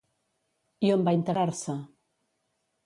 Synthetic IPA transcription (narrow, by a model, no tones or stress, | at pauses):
iombaint̪əɾaɾsə